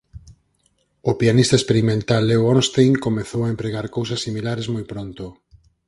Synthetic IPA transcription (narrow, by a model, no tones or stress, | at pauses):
ʊpianist̪ɐespeɾimẽnt̪alːewɔnst̪ejŋkomeθowaempɾeɣaɾkowsɐsːimilaɾezmojpɾont̪ʊ